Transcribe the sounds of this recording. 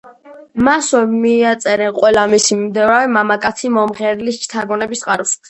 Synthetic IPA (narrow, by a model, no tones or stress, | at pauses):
maswɛmiːat̪sʼɛɾɛnqʼwɛlamisimimd̪ɛvɾavɛmamakʼat̪sʰimɔmʁɛɾlist͡ʃʰt̪ʰaɡɔnɛbisqʼaɾus